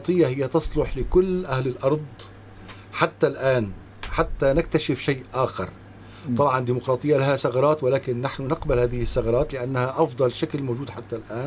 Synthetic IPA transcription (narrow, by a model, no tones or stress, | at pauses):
t̪ˤɨjːahɪjːat̪ɑsˤlʊħlɪkʊlːʔahlɪlʔɑɾˤd̪ˤ | ħat̪ːalʔaːn | ħat̪ːanɪk̚t̪aʃɪfʃajːʔʔaːxɑ̰ɾˤ | t̪ˤɑbʕɑnd̪iːmʊqɾˤɑːt̪ˤɨjːalahasɑɣɑɾˤɑːt̪wɪlaːkɪnːaħnʊnɪqbalhaːðɪhɪsːɑɣɑɾˤɑːt̪lɪʔanːahaʔɑfd̪ˤɑlʃaklmowd͡ʒuːd̪ħat̪ːalʔaːn